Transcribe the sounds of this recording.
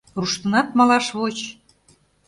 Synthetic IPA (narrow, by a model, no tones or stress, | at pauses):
ruʃt̪ɤnɑt̪̚mɑlɑʃβot͡ɕ